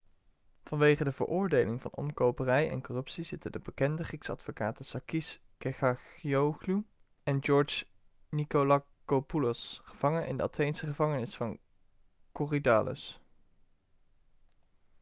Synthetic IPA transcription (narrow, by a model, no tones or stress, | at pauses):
v̥ɑnʋejχədəvə̰ɹʔʊːɹdejlɪŋvɑ̰nɔ̰mkowpərɛjɛ̰nkɔrɵpsizɪtədəbəkɛndəχiksɑ̰dfokaːtəsɑkis | kɛχɑχioχlu | ɛnd͡ʒɔɹd͡ʒ | nikolakopulɔsχəv̥ɑŋənʔɪ̰ndəɑtʰejnsəχəvɑŋənɪsfɑn | koridaːlʔə̰s